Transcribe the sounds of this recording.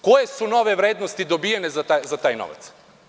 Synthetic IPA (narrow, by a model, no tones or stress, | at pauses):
ko̞jesuno̞ʋeʋɾeːd̪nost̪id̪obijenezat̪azat̪aːjno̰ʋa̰t̪s